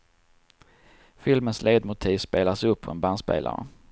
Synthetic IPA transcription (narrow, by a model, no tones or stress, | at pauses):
fɪlmənsleːd̪mʊt̪ʰiːvspeːlasɵpʰːɔɛnbanspḛːlʔa̰ɾə̰